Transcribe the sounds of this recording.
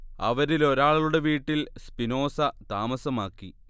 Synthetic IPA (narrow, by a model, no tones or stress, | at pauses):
ɐ̰ʋɐɾilo̞ɾaːɭɐɭuɽe̞ʋiːʈːilspino̞ːsɐt̪aːmɐsɐmaːkːi